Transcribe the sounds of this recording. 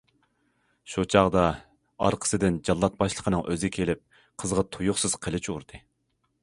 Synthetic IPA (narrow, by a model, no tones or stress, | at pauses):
ʃut͡ʃʰɑʁd̪ɑ | ɑ̰ɾqʰə̥sɨd̪ɪnd͡ʒɑlˠːɑt̪̚bɑʃlˠəqʰənɨŋʔøzkʲʰelɪp̚ | qʰəzʁɑt̪ʰujʊχsɨz̥qʰəlˠɪt͡ʃʰuɾd̪ɨ